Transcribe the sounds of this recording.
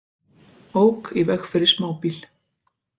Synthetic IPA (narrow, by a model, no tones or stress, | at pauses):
oːwkivɛxfɛɾɪsmaːwpil